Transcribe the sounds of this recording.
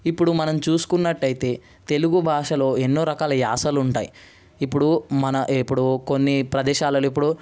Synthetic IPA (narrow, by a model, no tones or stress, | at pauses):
ipːuɽumɐnɐmt͡ʃuːsu̥kunːɐʈːɐjit̪e̞ː | t̪e̞luɡubʱaːʂɐlo̞ːe̞nːoːɾɐkaːlɐja̰ːsɐːluɳʈaːji | ipːuɽumɐnɐʔipːuɽuko̞nːipɾɐd̪ɛːʃaːlɐlip̬ːuɽu